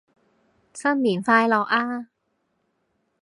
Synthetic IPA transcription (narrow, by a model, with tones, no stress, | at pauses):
sa˥˩mːi˩˦nfaː˧jlɔː˧ʔaː˧˥